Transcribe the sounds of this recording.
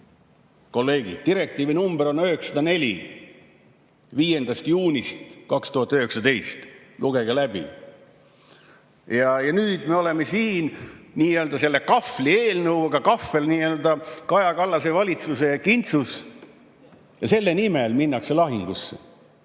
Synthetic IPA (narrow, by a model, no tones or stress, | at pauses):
ko̞lːe̞ːɡḭd̥̪̚t̪iɾe̞k̚t̪iːvinumbeɾo̞nøɦeksɑd̪ɑne̞lʲḭ | viːje̞nd̪̥ɑst̪juːnʲist̪kɑkst̪uhɑt̪ːˑøɦe̞ksɑd̪e̞jst̪luɡ̥e̞ɡ̥ɑlæb̥ḭ | jɑjɑnyːd̪̥me̞ole̞mesiːnniːeøld̪ɑse̞lːe̞kɑflieːlnəwɑɡ̥ɑkɑfːe̞lniːeːld̪̥ɑkɑjɑkɑlːɑse̞vɑlʲit̪suse̞jɑkint̪sus | jɑse̞lːe̞nimelminːɑkse̞lɑɦiŋɡ̥usːḛ